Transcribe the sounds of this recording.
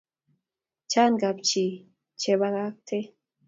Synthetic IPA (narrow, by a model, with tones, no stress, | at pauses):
t͡ʃa˦nɡa˨pt͡ʃi˨ | t͡ʃe˨βa˧ɣa˦k̚t̪ʰe˦